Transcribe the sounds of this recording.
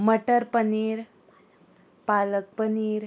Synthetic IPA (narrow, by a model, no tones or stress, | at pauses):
məʈəɾpəniːɾ | palək̚pəniːɾ